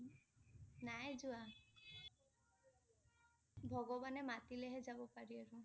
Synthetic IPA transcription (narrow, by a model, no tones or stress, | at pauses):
najd͡ʒua | bʱɔɡɔbanɛmat̪ileɦɛd͡ʒabɔpaɹiaɾu